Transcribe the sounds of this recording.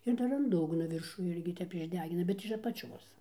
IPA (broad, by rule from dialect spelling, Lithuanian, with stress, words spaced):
ɪr ˈdɐr ɐn ˈdʊɡnoː ˈʋʲɪrʃuː ˈɪrʲɡʲɪ ˈtʲɛp ɪʒʲˈdʲæːɡʲɪnɐ bʲɛt ɪʃ ɐpɐˈt͡ʃʲoːs